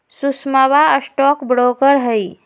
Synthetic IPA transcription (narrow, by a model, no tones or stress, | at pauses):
susmaʋaəsʈɔːkbɽokəɾɦəi